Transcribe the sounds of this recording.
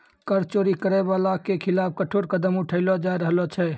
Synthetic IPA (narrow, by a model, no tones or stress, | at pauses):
kəɾt͡ʃoːɾikəɾɛbalakekʰɪlaːp̚kəʈʰoːɾkəd̪əmʊʈʰəɪlɔd͡ʒaɾəɦlɔt͡ʃʰɛ